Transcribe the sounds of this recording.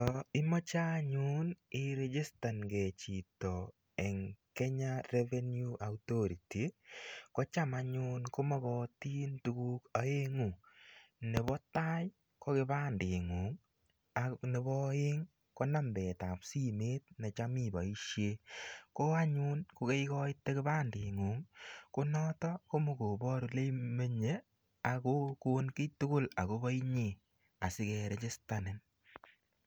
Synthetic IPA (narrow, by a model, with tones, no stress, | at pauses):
tɔ˨ɪ˦mɔ˦t͡ʃa˦ɲʊ˦nɪ˦ɾe˦d͡ʒe˦sta˨nɡe˨t͡ʃi˨tɔ˨ | ɛ˨ŋkɛ˦ɲa˦ɾɛ˦vɛ˦nju˦a˨wto˦ɾi˨ti˨kɔ˦t͡ʃa˦ma˨ɲʊ˦nko˦mɔ˦ɡɔ˦ti˦ntu˦ɡu˦ka˨e˦ŋu˨ | nɛ˨bɔ˦ta˦j | kɔ˦ɡɪ˦ba˦ndɪ˨ŋo˨ŋ | anɛ˨bɔ˦ɪ˦ŋ | ko˦na˦mbɛ˨ta˨psi˦meː˦t̚nɛ˨t͡ʃa˦mi˦˨bɔ̰˨i˦ʃje˦ko˦a˦ɲuː˦nku˨ke˦jkɔ˦ɪ˦tːe˦kɪ˦baː˦nde˨ŋu˨˦ŋko˦nɔ˦tɔ˦ko˦mu˨ko˨bɔ˦ɾu˨le˦me˦ɲe˦ | a˨ko˦ko˦nki˦tu˦ko˦la̰˨ko˦bɔ˦i˦ɲe˨ | a˨sɪ˦kɛ˨ɾe˦t͡ʃɪ˦sta˨nɪ˨n